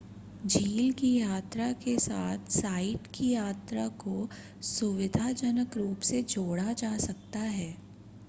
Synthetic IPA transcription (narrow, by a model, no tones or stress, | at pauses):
d͡ʒʱiːlkijaːt̪ɾakesaːt̪ʰsaːɪʈkijaːt̪ɾako | sʊʋɪd̪ʱad͡ʒənəkɾuːpsed͡ʒoːɽad͡ʒaːsɐk̚t̪aɦɛː